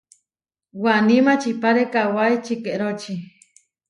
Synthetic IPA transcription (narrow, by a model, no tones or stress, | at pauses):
wanimat͡ʃipaɾekawaet͡ʃikeʔɾot͡ʃi